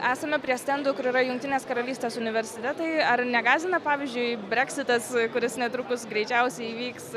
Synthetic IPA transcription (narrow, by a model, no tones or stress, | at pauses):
æːsɐmʲɛpʲɾʲiɛsʲt̪ʲɛnd̪ʊkʊɾiːɾɐjʊŋkt̪ʲɪnʲeːskɐɾɐlʲiːsʲt̪ʲeːsʊnʲɪʋʲɛɾʲsʲɪt̪ʲɛt̪ɐɪɐrnʲɛɡɑːzʲɪnɐpɑːʋʲiːzʲd͡ʒʲʊɪbʲɾʲæksʲɪt̪ɐskʊɾʲɪsnʲɛt̪ɾʊkʊsɡɾʲɛɪt͡ʃʲɛʊsʲɛɪiːʋʲiːks